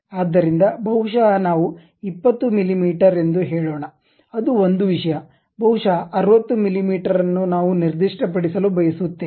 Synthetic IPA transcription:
aːd̪ːɐɾind̪ɐbʱɐwʂanaːʋu | ipːɐt̪ːumilimiːʈɐɾe̞nd̪uɦɛːɭoːɳɐ | ɐd̪uond̪uʋiʂɐjɐ | bʱɐwuʂaɐɾʋɐt̪ːumilimiːʈɐɾɐnːunaːʋuniɾd̪iʂʈɐpɐɽisɐlubʱɐjɐsut̪ːe

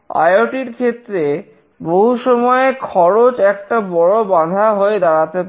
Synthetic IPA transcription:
a̰joʈiɾkʰet̪ːɾe | boɦuʃɔmɔekʰɔɾot͡ɕɛk̚ʈabɔɽobad̪ʱaɦoed̪aɽat̪ep

